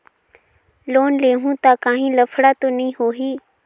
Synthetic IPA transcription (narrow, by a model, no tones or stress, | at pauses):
loːnleːɦũːt̪aːkãːɦĩːləfʰɽaːt̪oːnəĩːɦoːɦiː